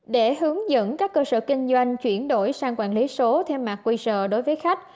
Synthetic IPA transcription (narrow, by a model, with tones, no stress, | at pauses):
ɗe˧˩ɦɨ˨˦əŋzə̰˧˥nkaː˦˥kːəː˧sə̰ː˧˨kï˧ŋ̟zwa˧jŋ̟t͡ɕwi˧˩ənɗo˧˩jsaː˧ŋkwaː˧˩nli˨˦so˨˦t̪ʰɛ˧wmaː˨˩k̚kwi˧sə̰ː˧˨ɗo˨˦jvəː˨˦jxa˦˥k̟̚